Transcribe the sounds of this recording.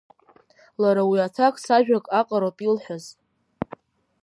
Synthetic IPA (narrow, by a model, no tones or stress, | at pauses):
laɾawiatʰakʼsaʒᶣakʼaqʼaɾapʼilħʷaz